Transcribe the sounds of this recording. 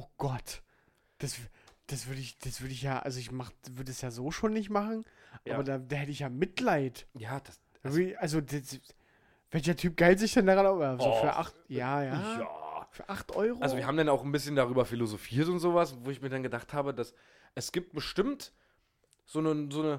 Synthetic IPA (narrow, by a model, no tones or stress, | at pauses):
ʔoɡ̥ɔt | d̥asvd̥asv̥ʏɐɾəɪçd̥asv̥ʏɐɾəɪçjaːʔa̰lzoɪçmaχəv̥ʏɐdəɛsjaːzoːʃoːnːɪçtmaχn̩ʔaːbɐdaːdaːhɛtəɪçjaːmɪtlaɪtjaːd̥as | d̥aːvʏɐdɪʔalzodas | v̥ɛlçɐtʰyːp̚ɡ̥aɪltz̥ɪçd̥ɛndaːʁanazoːfyːɐʔa̰χtjaːja | fyːɐʔaχtʔɔʏʁoalzoviːɐɦaːbm̩danaʊxnbɪsçəndaʁyːbɐfilozofiːɐtʊntz̥oːvasvoːɪçmiːɐɾanɡədaχthaːbədas | ʔɛsɡ̥iːp̚t̚b̥əʃtɪmt | z̥oːnəzoːnə